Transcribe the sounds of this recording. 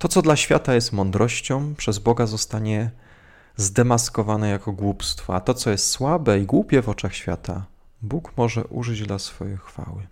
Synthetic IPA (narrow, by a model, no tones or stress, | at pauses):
t̪ɔt̪sɔd̪laɕfʲja̰t̪ajɛst̪mɔnd̪ɾɔɕt͡ɕɔ̃w̃pʂɛzbɔɡazɔst̪aɲɛ | zd̪ɛmaskɔvanɛjakɔɡwupst̪fɔat̪ɔt̪sɔjɛst̪swabɛiɡwupʲjɛvɔt͡ʂaxɕfʲja̰t̪ʰa̰ | bukmɔʐɛ̰ʔṵʐɘd͡ʑd̪lasfɔjɛjxfa̰wɘ